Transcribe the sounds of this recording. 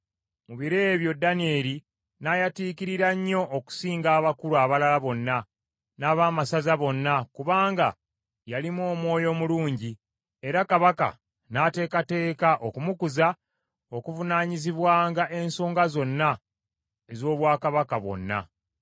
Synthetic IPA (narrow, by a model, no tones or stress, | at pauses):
muβiɾe̞βjo̞dːanie̞ɾi | najatiːkiɾiɾaɲːo̞ʔːku̥siːŋɡaːβakuluaβalalaβo̞nːa | naːβaːmasazaβo̞nːakuβaːŋɡa̰ | jalimwo̞ːmwo̞ːjo̞muluːɲɟi | e̞ɾakaβaka̰ | nate̞ːkate̞ːkaʔo̞kumukuza | o̞kuvunaːɲiziβwaːŋɡaʔe̞nso̞ːŋɡazo̞nːa | ezo̞ːβwaːkaβakaβwo̞̰nːa̰